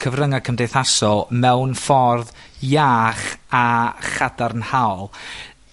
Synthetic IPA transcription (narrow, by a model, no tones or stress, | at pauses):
kʰəvrəŋakʰəmdejθasɔmɛwnfɔrð | jaːχaχadarnhawlˠ